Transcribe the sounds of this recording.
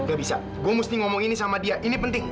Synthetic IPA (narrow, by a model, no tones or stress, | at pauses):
ɡabisa | ɡuamust̪iŋɔmɔŋinisamadiaʔinipənt̪ɪŋ